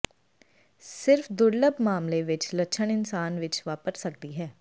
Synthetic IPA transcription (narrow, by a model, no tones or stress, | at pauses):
sɪɾfd̪ʊɾləbmaːmleʋɪt͡ʃləʃʰənɪnsaːnʋɪt͡ʃʋaːpəɾsəkd̪iːɦɛː